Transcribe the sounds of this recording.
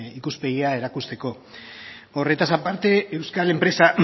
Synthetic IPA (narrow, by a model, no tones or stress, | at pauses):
ikuspe̞ɣiae̞ɾakust̪e̞ko̞ | o̞re̞t̪asapaɾt̪e̞ːwskale̞mpɾe̞sa